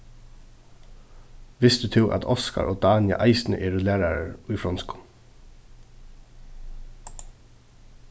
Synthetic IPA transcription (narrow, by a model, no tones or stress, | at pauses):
ʋɪst̪ʉt̪ʰɪwʔa̰t̪ʰɔska̰ɹʔoːd̪aːnja̰ʔaɪsnə̰ʔɛːɾʊlæːɾaɾəʊjfɾɔnskʊ̥